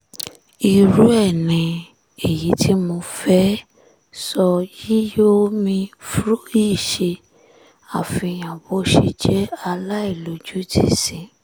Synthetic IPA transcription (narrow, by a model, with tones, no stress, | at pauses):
i˨ɾu˦ɛ˦˨nĩ˨ | e˨ji˨˦tʰi˦mo˧fɛ˦ | sɔ˧ji˦jo˦mĩ˧fɾo˦i˦˨ʃe˧ | a˦˨fĩ˧˨j̃ã˨bo˦ʃḭ˧d͡ʒɛ˦a˧la˦i˦˨lo˨˦d͡ʒu˦tʰi˦sĩ˧˨